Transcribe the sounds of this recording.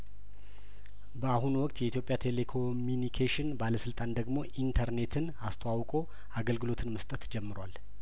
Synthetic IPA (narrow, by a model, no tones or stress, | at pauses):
bəahunwɔkʼt̪jɛit̪ʰjo̞pʼjat̪ʰe̞le̞kʰo̞mjunikʰeʃɪnbaləsɨlt̪ʼand̪əɡmo̞ʔint̪ʰəɾne̞t̪ʰɨn | ast̪ʰəwawkʼo̞ | aɡəlɡɨlo̞t̪ʰɨnməst̪ʼət̪d͡ʒɛmːɨɾwal